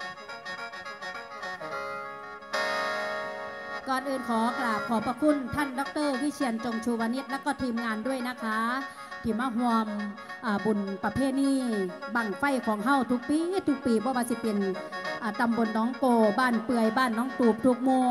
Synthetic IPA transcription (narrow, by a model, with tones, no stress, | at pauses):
kɔː˨nʔɯː˨˧nkʰɔː˨˦klaː˨˩wkʰɔː˨˦pa˧kʰu˧˥˨nt̪ʰaː˧˥˨ndɔ˧˥k̚t̪ɤː˧˥˨wiː˧˥˨kʰi˧ənt͡ɕo˨ŋt͡ɕʰuː˧˩waː˧ni˧˥˩t̪̚lɛ˧˥˨kɔː˧˩t̪ʰiː˧˩mŋaː˧˨ndu˧˥˩əjna˧˥kʰaː˧˥ | t̪ʰiː˧˩maː˧˥˨ɦu˧əmʔaː˨˩bu˨˩˨npa˧pʰeː˧˥˩niː˧˩˨ba˧˩ŋfa˧˥˩jkʰɔː˩˦ŋɦa˧˥˨wt̪ʰu˧k̚piː˧˨˦t̪ʰu˧˥k̚piː˨bɔː˧˦waː˧si˧˦pe˨nʔaː˨˩t̪a˨mbo˨nlɔː˨˥˨ŋkoː˧˩baː˧˥˨npɯ˧˩əjbaː˧˥˨nːɔː˧˥˨ŋt̪uː˨˩p̚t̪ʰu˧˥k̚muː˧˩˨